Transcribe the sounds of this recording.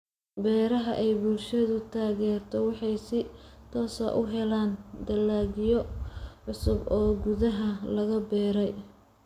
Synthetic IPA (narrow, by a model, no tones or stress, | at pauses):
bɛːɾɐɦɐʔɛjbʊlʃɐðʊt̪ʰaːɣɛːrt̪ʰɔwɑħɑjsɪ | t̪ʰɔːsɐ̰ʔʊɦɛlaːnd̪ɐlːaːɣɪjɔʕʊsʊbɔːɡuðɐɦɐlɐɣɐbɛːɾɛj